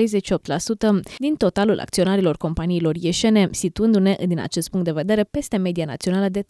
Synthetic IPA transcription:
ɾejze̞tʲʃio̞p̚t̪lasut̪əd̪int̪o̞t̪alulʔa̰k̚t̪sio̞naɾilo̞rko̞mpaniːlo̞rjeʃe̞ne̞sit̪uɨnd̪une̞d̪ina̰t͡ʃe̞st̪puŋkt̪d̪e̞ve̞d̪e̞ɾe̞pe̞st̪e̞me̞d̪iana̰t̪sio̞naləd̪e̞

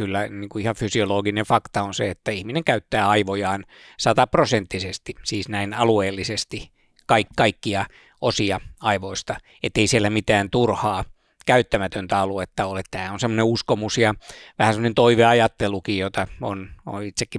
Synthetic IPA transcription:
kylːæniːŋkuihɑʋfysioloːɡinefɑkt̪ɑonseet̪ːæihmineŋkæyt̪ːæːɑiʋojɑːn | sɑt̪ɑprosent̪ːisest̪isiːsnæinɑlueːlːisest̪i | kɑikkɑikːiɑ | ʔosiɑɑiʋoist̪ɑ | et̪ːeisielːæmit̪æːnt̪urhɑː | kæyt̪ːæmæt̪ønt̪æɑluet̪ːɑolet̪t̪æːonsemːoneuskomusjɑʋæhænsemːə̆onent̪oiʋeɑjɑt̪ːelukijjot̪ɑo̰no̰nit̪sekːi

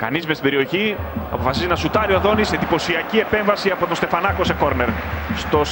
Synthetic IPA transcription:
kɐ̰nizmest̪ibe̞ɾio̞çiɐ̰po̞fɐsizenɐsut̪ɐɾioɐðo̞nisend̪ipo̞siɐcie̞peɱvɐsiɐpo̞t̪ost̪e̞fɐnɐko̞se̞ko̞ɾne̞ɾ | st̪o̞s

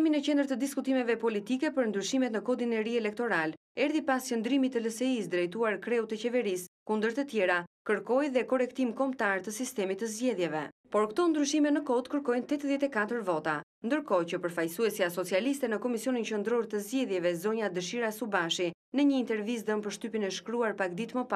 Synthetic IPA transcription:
ɛminɛt͡ɕɛnd̪əɾt̪əd̪iskut̪imɛvɛpɔlit̪ikɛpəɾnd̪ɾyʃimɛt̪nəkɔd̪inɛɾiɛlɛk̚t̪ɔɾal | ɛɾðipascənd̪ɾimit̪ːələsɛisd̪ɾɛjt̪uaɾkɾɛut̪ɛt͡ɕɛvɛɾiskund̪əɾt̪ət̪jɛɾakəɾkɔjðɛkɔrɛkt̪imkɔmt̪aɾt̪əsist̪ɛmit̪ːəzɟɛðjɛvɛpɔɾkt̪ɔnd̪ɾyʃimɛnəkɔd̪kəɾkɔjnt̪ɛt̪ðjɛt̪ɛkat̪əɾvɔt̪a | nd̪əɾkɔcəpəɾfajsuɛsiasɔt͡sialist̪ɛnəkɔmisiɔnint͡ɕənd̪ɾɔɾt̪əzɟɛðjɛvɛzɔɲad̪əʃiɾasubaʃi | nəɲəint̪ɛɾvis̬d̪ənpəɾʃt̪ypinɛʃkɾuaɾpak̚d̪it̪məpa

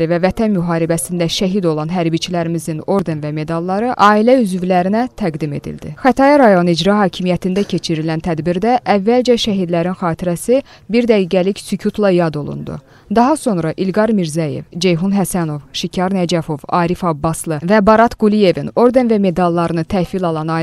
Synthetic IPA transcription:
ɾivævæt̪ʰænmyɦɑːɾibæsind̪æʃæɦid̪o̞lˠɑnɦæɾbit͡ʃʰilæɾimizino̞ɾd̪e̞nvæme̞d̪ɑlˠːɑɾɯʔɑːilæyzvlæɾinæt̪ʰæɡd̪ime̞̰d̪ḭld̪ḭxæt̪ʰɑjɑɾɑjo̞nɯid͡ʒɾɑɦɑːcʰimijæt̪ʰind̪æcʰe̞t͡ʃʰiɾilænt̪ʰæd̪biɾd̪æʔːvːæld͡ʒæʃæɦid̪læɾinxɑːt̪ʰiɾæsi | biɾd̪æɡiːɡælicsycʰut̪ʰlˠɑjɑd̪o̞̰lˠṵnd̪ṵ | d̪ɑɦɑso̞nɾɑʔilɡɑɾmiɾzæje̞̰vd͡ʒe̞jɦunɦæsæno̞vʃicʰɑɾnæd͡ʒæfo̞vɑːɾifɑbːɑslˠɯvɛbɑɾɑt̪ɡulije̞vino̞ɾd̪e̞nvæme̞d̪ɑlˠːɑɾɯnɯt̪ʰæfilɑlˠɑnɑː

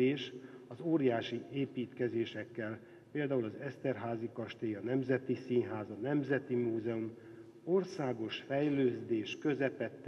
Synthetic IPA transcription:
eːʃɒzoːɾijaːʃieːpiːt̪kɛzeːʃɛkːɛl | peːld̪aːulɒzɛst̪ɛrɦaːzikɒʃt̪eːjɒnɛmzɛt̪isiːnɦaːzɒnɛmzɛt̪imuːzɛum | orsaːɡo̞ʃfɛjløːzd̪eːʃkø̞zɛpɛt̪ː

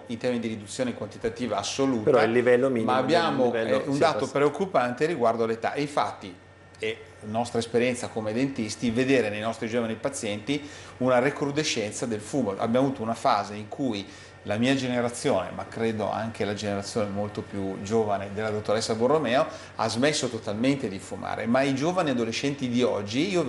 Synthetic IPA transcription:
int̪ɛːmid̪iɾid̪ut̪sːjoːnekwant̪it̪at̪iːvaːsːoluːteɾalːivɛlːomimaːbːjaːmoɛɛundd̪aːt̪opɾeokːupant̪eɾiɡward̪oalːet̪a̰ʔeiɱfa̰t̪ːi | ɛ | nɔst̪ɾaespeɾjɛnt̪sakomed̪ent̪ist̪ived̪eːɾenejnɔst̪ɾid͡ʒoːvanipat̪sːjɛnt̪iunarekɾud̪eʃːɛnt̪sad̪elfuːmoʔa̰bjamovuːt̪ounafaːzeiŋkʰuj | lamiːad͡ʒeneɾat̪sːjoːnḛmakːɾeːd̪o̰a̰ŋk̟elad͡ʒeneɾat̪sːjoːnemolt̪opjud͡ʒoːvaned̪elːad̪ot̪ːoɾɛsːaborːomɛːo | a̰zmesːot̪ot̪alment̪ed̪ifuma̰ːɾḛmaid͡ʒoːvaniad̪oleʃːɛnt̪id̪iɔ̰d͡ʒːiiːo

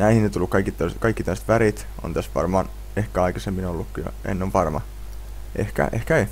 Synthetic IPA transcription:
næihinːet̪ulːukkɑikit̪ːoiskɑikːit̪oˑse̥t̪ʋæɾit̪ | o̰nt̪æst̪ʋɑ̰rmɑːn | ehkæɑjkɑsemːinolːukːujo̰ḛnːoʋʋɑrmɑ̰ | ʔḛhkæ̰ʔehkæe

